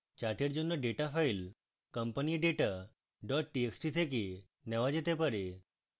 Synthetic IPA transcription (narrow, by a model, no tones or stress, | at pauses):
t͡ɕaʈeɾd͡ʑonːəɖeʈafail | kəmpəniɖeʈa | ɖɔʈ̚ʈieksʈit̪ʰek̬i | nɛʋad͡ʑet̪epəɾe